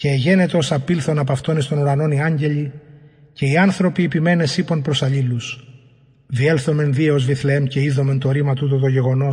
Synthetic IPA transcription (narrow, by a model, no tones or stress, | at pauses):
ceːʝe̞ne̞t̪o̞sɐpilθo̞nɐpɐft̪o̞nist̪o̞nuɾɐno̞niɐɲɟe̞ʎi | ce̞iɐnθɾo̞piːpime̞ne̞siponpɾo̞sɐʎilus | ðie̞lθo̞me̞nðieo̞zviθleemce̞iðo̞me̞nt̪o̞ɾimɐt̪ut̪̬ot̪̬o̞ʝe̞ɣo̞no̞